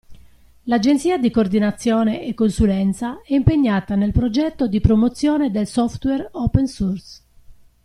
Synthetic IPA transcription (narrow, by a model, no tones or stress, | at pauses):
lad͡ʒent̪siːad̪ikord̪inat̪sːjɔːneʔekːonsulɛnt̪saɛimpeɲːaːt̪anelpɾod͡ʒɛt̪ːod̪ipɾomot̪sːjɔːned̪elsɔft̪wɛropɛnsurs